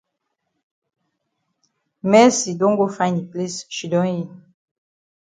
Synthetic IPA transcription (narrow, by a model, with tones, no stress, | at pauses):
mɛ˦si˨dõ˦ŋ˦ɡo˦fã˦j̃ni˨pli˦sʃi˨dɔ̃˦nji˦˨